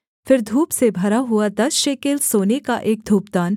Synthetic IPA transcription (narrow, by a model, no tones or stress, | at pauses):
fɪɾd̪ʱuːpsebʱɐɾaɦʊad̪ɐsʃeːkelsoːnekaʔeːk̚d̪ʱuːpd̪aːn